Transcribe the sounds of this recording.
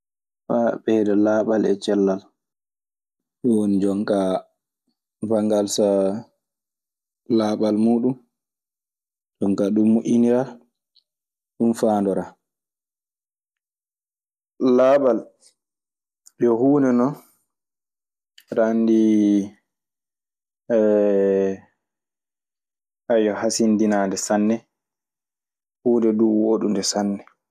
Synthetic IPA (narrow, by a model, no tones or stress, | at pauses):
faɓɛdɛlaːɓalɛ̰t͡ʃɛlːal | ɗɔwonid͡ʒɔŋka | vaŋɡalsa | laɓalmuːɗum | ɗɔŋkaɗumːuʔʲiniɾa | ɗumfaːndɔɾa | labal | ɓɔhuːndɛnɔ | ɾandi | ʔajɔhasindinaːndɛsanːɛ | huːndɛduwoɗundɛsanːɛ